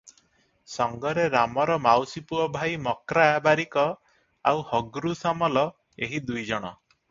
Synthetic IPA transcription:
sɔŋɡɔɾeɾamɔɾɔmawsipuɔbʱajmɔkɾaabaɾikɔ | awhɔɡɾusamɔlɔ | eɦid̪ujd͡ʒɔɽ̃ɔ

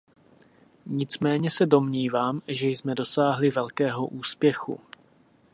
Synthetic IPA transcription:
ɲɪt͡smɛːɲɛsɛdo̞mɲiːvaːmʒɛjzmɛdo̞saːɦlɪvɛlkɛːɦo̞ʔuːspjɛxṵ

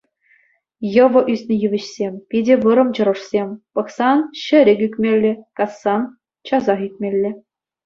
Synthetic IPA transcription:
jɤ̆ʋɤ̆ʔysʲnʲɘ̆jyʋʲɘ̆ɕsʲemʲpʲidʲɘ̆ʋɤ̆ɾɤ̆mt͡ɕɤ̆ɾɤ̆ʂsʲemʲpɤ̆χsɑnɕɘ̆ɾʲɘ̆kʲykʲmʲelʲːɘ̆kɑsːɑn | t͡ɕɑzɑχykʲmʲelʲːɘ̆

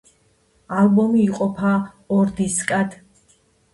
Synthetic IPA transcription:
albɔmiːqʼɔpʰa | ɔɾd̪iskʼad̪

